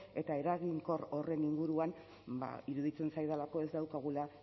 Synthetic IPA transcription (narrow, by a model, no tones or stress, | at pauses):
e̞t̪ae̞ɾaɣiŋko̞ɾo̞re̞niŋɡuɾuan | ba̰iɾuðit͡se̞nsajðalako̞e̞zd̪awkaɣ̞ula